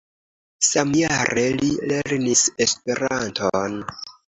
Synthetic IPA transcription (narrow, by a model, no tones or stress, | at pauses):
samjaɾe̞lile̞ɾnise̞spe̞ɾantʰon